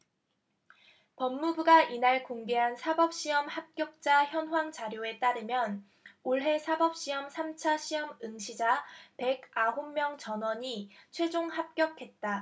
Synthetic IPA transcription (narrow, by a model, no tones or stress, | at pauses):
pʌmːubuɡaʔinaɭkoŋɡe̞ɦansʰabʌp̚ɕ͈iʌmhap̚k͈jʌk̚t͡ɕ͈açjʌnɦwaŋt͡ɕaɾjoe̞t͈aɾɯmjʌn | oɭɦe̞sʰabʌp̚ɕ͈iʌmsʰamt͡ɕʰaɕʰiʌmɯŋɕʰid͡ʑape̞ɡaɦomːjʌŋt͡ɕʌnwʌɲit͡ɕʰwe̞d͡ʑoŋhap̚k͈jʌkʰe̞t̚t͈a